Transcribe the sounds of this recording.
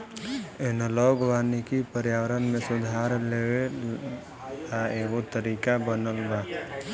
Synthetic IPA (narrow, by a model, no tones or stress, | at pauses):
enəlɔɡʱʋaːnikipəɾjaːwəɾənmẽsʊd̪ʱaːɾlee | aeɡot̪əɾiːkabənəlbaː